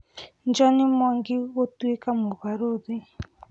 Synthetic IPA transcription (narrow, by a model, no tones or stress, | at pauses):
nd͡ʒɔnimɔŋɡiwotuekamuβaɾoði